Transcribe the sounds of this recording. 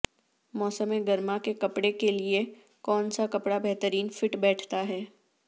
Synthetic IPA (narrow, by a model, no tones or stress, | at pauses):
mɔːsəmẽɡɐɾmakekɐpɽekelie | kɔːnsakɐpɽabɛɦt̪əɾiːnfɪʈbɛːʈʰt̪aɦɛː